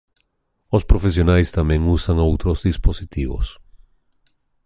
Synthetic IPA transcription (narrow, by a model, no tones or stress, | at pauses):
ospɾofesjonajst̪amẽŋusaŋowt̪ɾozðisposit̪iβo̰s